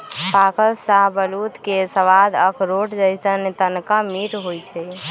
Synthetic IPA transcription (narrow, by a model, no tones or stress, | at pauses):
pakəlsaɦbəlut̪kesəʋad̪əkʰɾoʈd͡ʒəjsənet̪ənkamiʈɦojt͡ʃʰɛ